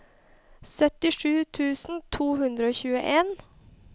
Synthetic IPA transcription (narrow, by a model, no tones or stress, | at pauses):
sœt̪ɪʂʉːt̪ʰʉːsn̩t̪ʰuːhʉnd̪ɾəoːçʉːə̰ʔeːn